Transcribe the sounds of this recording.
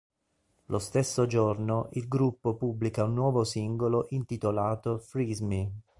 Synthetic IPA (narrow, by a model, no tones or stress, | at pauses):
lʔost̪esːod͡ʒornoʔilɡɾupːopubːlikaunːwɔːvosiŋɡoloʔint̪it̪olaːt̪ofɾizmi